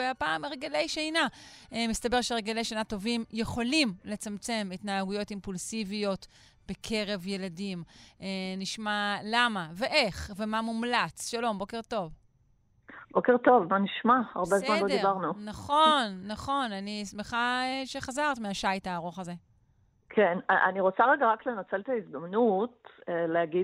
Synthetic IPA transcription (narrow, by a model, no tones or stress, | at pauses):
eapaːmeʁeɡele̞jʃejnamist̪abe̞ʁʃeʁeɡele̞jʃenato̞vimje̞χo̞limle̞t͡samt͡se̞mitnaːɡujo̞timpulsivijo̞t | b̥e̞kʰe̞ʁe̞vje̞ladimeniʃmalamave̞ʔeχve̞mamumlat͡sʃalo̞mbo̞ke̞ʁto̞v | bokeʁt̪o̞vmaniʃmaaʁbezsmanlod̪ibaʁnunaχo̞nːaχo̞nanismeχaeʃe̞χazaʁtmeaʃajtaːʁo̞χaze̞ | kʰenaʔa̰niʁot͡saʁeɡaʁakle̞nat͡selet̪aizd̪amnut̚eleaɡi